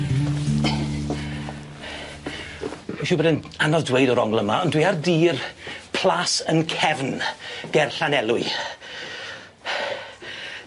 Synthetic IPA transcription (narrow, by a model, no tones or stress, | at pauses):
iʃubɛdɪn | anɔsdwejdɔɾɔŋlˠəmaɔndwiːardiːrpʰl̥ˠasənkʰɛvnɡ̥ɛrɬanɛlˠʊɨ